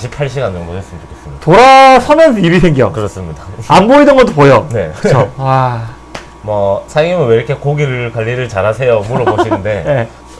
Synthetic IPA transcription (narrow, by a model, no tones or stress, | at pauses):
ɕʰipʰaɭɕ̬͈iɡandeɡoes͈ɯmt͡ɕo̥kʰes͈ɯɲidtoɾasʰʌmjʌnsʰibisʰeŋɡijokɯɾʌs͈ɯmɲidaanboidɯnɡʌt͈opojone̞ɯ̥t͡ɕʰoa | mʌsʰaŋimɯnweikʰekoɡiɾɯkwaʎːiɾɯɭt͡ɕaɾasʰe̞jomuɾʌboɕʰinɯnde̞ne̞